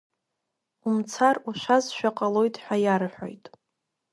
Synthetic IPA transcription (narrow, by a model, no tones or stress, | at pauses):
umt͡sʰaruʃʷazʃᶣaqʼalo̞jtʼħʷᶣajaɾħʷᶣo̰jtʼ